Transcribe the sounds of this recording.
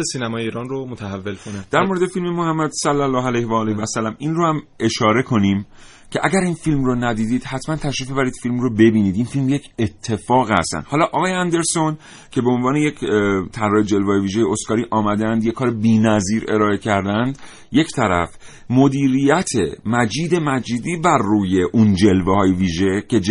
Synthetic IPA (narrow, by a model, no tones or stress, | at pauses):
siːnæmɒːjeiːɾɒnromot̪ʰæhævːelkʰonæd̪æɾmo̞ɾed̪efilmemohæmːæd̪sælːælːɒːɦælæjhvæːlevæsælːæminrohæmʔe̞ʃɒːɾe̞kʰo̞niːm | cʰeʔæɟæɾinfilmronæd̪iːd̪iːd̪̥hæt̪ʰmænt̪ʰæʃɾiːfbebæɾiːd̪̥filmrobe̞biːniːd̪infilmje̞cʰe̞t̪ʰːe̞fɒːɣhæ̰st̪æ̰nd̪hɒːlɒʔɒːɣɒːjeænd̪e̞ɾso̞n | cʰe̞beonvɒːnejecʰt̪ʰæɾɒːjed͡ʒe̞lvehːjeviːʒejeoskɒːɾiːʔɒːmæd̪ænd̪jekʰːɒːɾebiːnæziːɾe̞ɾɒːe̞cʰæɾd̪ænd̪ | jecʰt̪ʰæɾæ̰f | mod̪iːɾijæt̪ʰemæd͡ʒiːd̪e̞mæd͡ʒiːd̪iːbæɾːuːje̞ʔund͡ʒe̞lvehɒːjeviːʒecʰe̞d͡ʒ